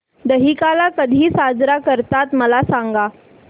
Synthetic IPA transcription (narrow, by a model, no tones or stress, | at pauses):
d̪əɦikalakəd̪ʱiːsad͡zɾakəɾt̪at̪məlasaŋɡa